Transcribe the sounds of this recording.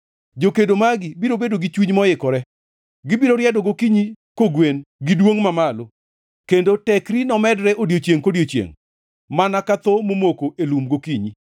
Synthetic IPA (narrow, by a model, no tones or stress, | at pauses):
d͡ʒokedomaɡɪbiɾobedoɡit͡ʃwiɲmɔjɪkɔɾɛ | ɡɪbiɾoɾɪjɛdoɡokiɲikoɡwenɡidwoŋmamalo | kendotɛkɾinɔmɛdɾɛʔodjot͡ʃjeŋkodjot͡ʃjḛŋ | manakat̪omomokoʔelumɡokiɲi